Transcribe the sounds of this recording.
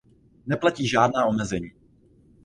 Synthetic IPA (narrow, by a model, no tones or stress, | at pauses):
nɛplaciːʒaːdnaːomɛzɛɲiː